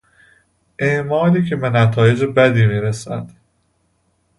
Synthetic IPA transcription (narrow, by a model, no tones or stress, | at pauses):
ʔeʔmɒːliːcʰe̞benæt̪ʰɒːje̞d͡ʒebæd̪iːmiːɾesæd̪̥